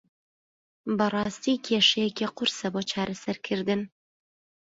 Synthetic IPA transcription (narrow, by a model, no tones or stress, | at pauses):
bɐrˤɑːst̪ikʰeʃɛjɛkiqʊɾsɐboːt͡ʃʰaːɾʔɐsɐɾkʰɨɾd̪ɨn